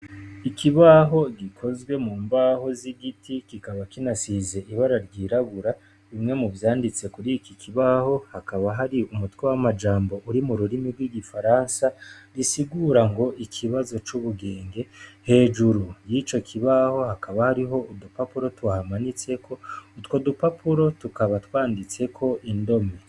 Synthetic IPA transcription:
ikʰiβaɦo̞ɡikʰo̞zɡwe̞muːmbaho̞ziɡitʰikikaβakinasize̞ʔiβaɾaɾɟiːɾaɡuɾa | ɾimŋe̞muvjaːndit͡se̞kuɾikikʰiβaho̞hakaβaɦaɾiumutwewamad͡ʒaːmbo̞ʔuɾimuɾuɾimiɾɡwiːɡifaɾansaɾisiɡuːɾaŋɡo̞ʔikʰiβazo̞t͡ʃuβuɡe̞ːŋɡe̞he̞ːd͡ʒuɾujit͡ʃo̞kʰiβaho̞hakʰaβahaɾiɦo̞ʔudupapuɾo̞twahamanit͡se̞kʰo̞utwodupapʰuɾo̞tukaβatwaːndit͡se̞kʰo̞ʔindo̞me

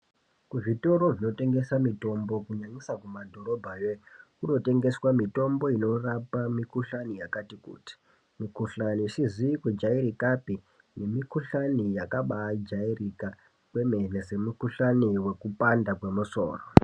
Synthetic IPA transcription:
kuʐito̞ɾo̞ʐino̞te̞ŋɡe̞samito̞mbo̞kuɲaɲisakumadʱo̞ɾo̞bʱajekuno̞te̞ŋɡe̞swamito̞mbo̞ino̞rapamikuɬanijakatikṵːti̥ | mikuɬaniːʃiziikud͡ʒaiɾikapi | ne̞mikuɬanijakaɓaːd͡ʒairika | kwe̞me̞nese̞mukuɬaniwe̞kupandakwe̞muso̰ːro̰

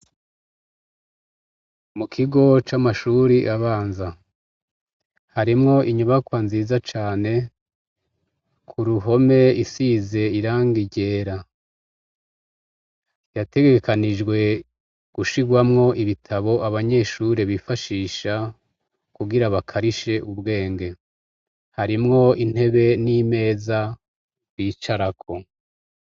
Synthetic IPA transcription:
mukʰiɡo̞t͡ʃamaʃuɾiʔaβaːnza | haɾimŋo̞ʔiɲuβakwanziːzat͡ʃaːne̞ | kʰuɾuɦo̞me̞isiːze̞iɾaːŋɡiɟe̞ːɾa | jate̞ɡekanid͡ʒɡwe̞ | ɡ̥uʃiɡwamŋo̞ʔiβitʰaβo̞ʔaβaɲe̞ʃuɾeβifaʃiːʃa | kuɡiɾaβakʰaɾiʃe̞ʔubɡe̞ːŋɡe̞ | haɾimŋo̞in̥he̞βe̞nime̞ːza | ɾwiːt͡ʃaɾakʰo̞

